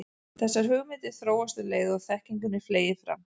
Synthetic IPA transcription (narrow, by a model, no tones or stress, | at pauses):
θɛsːaɾ̥ɦʏɣmɪːt̪ɪ̥θɾoːwast̪ʏɾleːjðʏɔɣθɛhciŋkʏnːɪfleːjɪ̥fɾa̰m